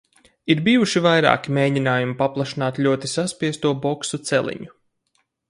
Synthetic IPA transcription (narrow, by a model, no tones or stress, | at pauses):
iɾbiːjuʃivajɾa̰ːkimeːjdʲinaːjumipaplˠaʃinaːt̪lʎʲuɔt̪isaspiɛst̪uɔbɔksut̪sɛlˠḭɲu